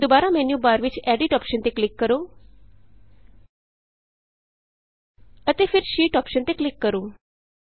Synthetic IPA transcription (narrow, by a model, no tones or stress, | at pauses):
d̪obaɾamɛnjubaɾʋit͡ʃɛɖiʈɔpʃənt̪eklɪkːəɾo | ət̪efɪɾʃiːʈɔpʃənt̪eklɪkːəɾũ